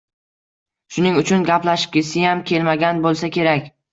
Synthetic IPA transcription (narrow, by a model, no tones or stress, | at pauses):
ʃʊnɪŋʊt͡ʃʰʊnɡʲaplaʃɪ̥p̚kʲɪsɪjamkʲʰe̞lmaɡʲanbolˠsakʲe̞ɾakʲ